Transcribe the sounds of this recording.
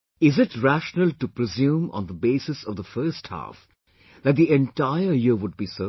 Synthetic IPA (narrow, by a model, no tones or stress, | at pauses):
ɪzɪʈɹæʃnəlʈupɾɪzjũːmɔ̰̃nd̪əbeːsɨsɔvd̪əfɜɾsʈhæ̰ːf | ðæʈ̚d̪iɛ̃nʈaɪəjɪɾʋʊɖ̚biːsə